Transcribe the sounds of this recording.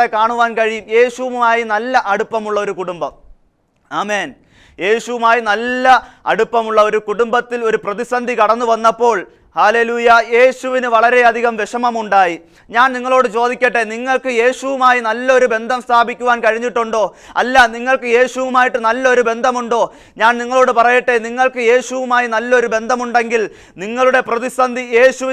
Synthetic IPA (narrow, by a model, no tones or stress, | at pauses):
ekaːɳuʋaːnkɐɻijumje̞ːɕuʋuumaːjinɐlːɐʔɐɽupːɐmuɭːɐo̞ɾukuɽumbɐm | aːme̞ːn | je̞ːɕuʋumaːjinɐlːɐɐ̰ɽupːɐmuɭːɐo̞ɾukuɽumbɐt̪ːilo̞ɾuprɐðisɐnd̪ʱikɐɽɐnːuʋɐnːɐpːo̞ːɭ | haːle̞ːluːjɐje̞ːɕuʋinɨʋɐɭɐɾe̞ɐd̪ʱiɣɐmʋeʂɐmɐmuɳɖaːji | ɲaːnniŋːɐɭo̞ːɽɨt͡ɕo̞ːd̪ikʲːɐʈːe̞niŋːɐɭkɨje̞ːɕuʋumaːjinɐlːɐo̞ɾube̞nd̪ʱɐmst̪ʰaːbʱikʲːuʋaːnkɐɻiɲːiʈːuɳɖo̞ːɐ̰lːɐniŋːɐɭkɨje̞ːɕuʋumaːjiʈːɨnɐlːɐo̞ɾube̞nd̪ʱɐmuɳɖo̞ː | ɲaːnniŋːɐɭo̞ːɽɨpɐrɐjiʈːe̞niŋːɐɭkɨje̞ːɕuʋumaːjinɐlːɐo̞ɾube̞nd̪ʱɐmuɳɖe̞ŋɡil | niŋːɐɭuɽe̞prɐðisɐnd̪ʱije̞ːɕuʋ